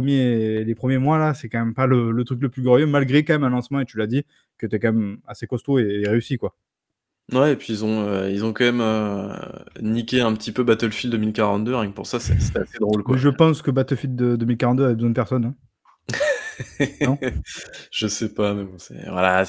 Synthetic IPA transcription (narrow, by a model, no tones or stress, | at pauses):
əmjelepχəmjemwalasɛkɑ̃mɛmpalələt̪χykləplyɡɔʁjømalɡʁekɑ̃mɛmɛ̃lɑ̃smɑ̃et̪ylad̪i | kət̪yɛkɑ̃mɛmasekɔst̪oeʁeysikwa | wɛepɥiːlzɔ̃øilzɔ̃kɑ̃mɛmø | nikʲeɛ̃pət̪ipøbat̪əlfild̪əmilkaʁɑ̃t̪̚d̪əʁɛ̃k̚puʁsasɛ̰sɛ̥t̪ɛased̪ʁolkwaʒəpɑ̃skəbat̪əlfild̪əd̪əmilkaʁɑ̃t̪̚d̪øavɛbəzwɛ̃d̪əpɛʁsɔnɛ̃ | nɔ̃ | ʒ̥əsɛpamɛbɔ̃sɛ̰vwa̰la